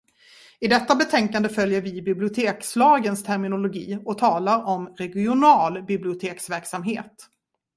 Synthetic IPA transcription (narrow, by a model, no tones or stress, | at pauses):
ɪd̪ɛt̪ːabɛt̪ʰɛŋkand̪əfœljəɾvɪbɪblɪʊt̪ʰeːkslɑːɡənst̪ʰæɾmɪnʊlʊɡḭːɔt̪ʰɑːlaɾɔmɾɛɡɪʊnɑːlbɪblɪʊt̪ʰeːksvæɾksamɦeːt̪